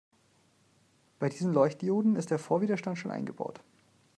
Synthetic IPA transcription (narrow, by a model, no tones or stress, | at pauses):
b̥aɪdiːzn̩lɔʏçt̚d̥joːdn̩ɪst̚d̥eːɐfoːɐviːdɐʃtantʃoːnʔa̰ɪnɡəba̰ʊt